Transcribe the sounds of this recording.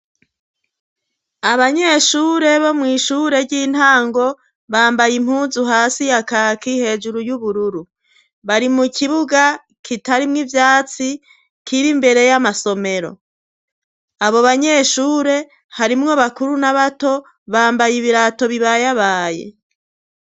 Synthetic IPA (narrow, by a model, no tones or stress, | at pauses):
aβaɲe̞ʃuːɾe̞βo̞mŋiːʃuːɾe̞ɾɟiːn̥haːŋɡo̞ | βaːmbajim̥huːzuɦaːsijakaːkihe̞ːd͡ʒuɾujuβuɾuɾu | βaɾimukʰiβuɡa | kitaɾimŋivjaːt͡si | kiɾimbe̞ɾe̞jamaso̞me̞ɾo̞̰ | aβo̞βaɲe̞ʃuːɾe̞ | haɾimŋo̞βakuɾunaβato̞ | βaːmbajiβiɾato̞βiβajaβaːjḛ